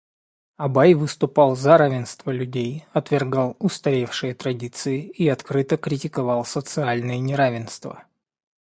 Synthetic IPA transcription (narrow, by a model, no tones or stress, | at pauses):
ɐbajvɨst̪ʊpɑlˠzɐɾavʲɪnst̪vəlʲʉdʲejɐt̪vʲɪrɡalˠʊst̪ɐɾʲe̞fʂɨjət̪ɾɐdʲit̪sɨɪiɐt̪kɾɨt̪əkɾʲɪtʲɪkɐvɑlˠsət̪sɨalʲnɨjənʲɪɾavʲɪnst̪və̰